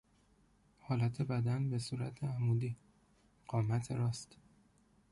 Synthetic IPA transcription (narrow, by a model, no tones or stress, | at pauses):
hɒːlæt̪ʰe̞bæd̪ænbe̞suːɾæ̰t̪ʰeæmuːd̪iː | ɢ̥ɒːmæt̪ʰeɾɒːst̪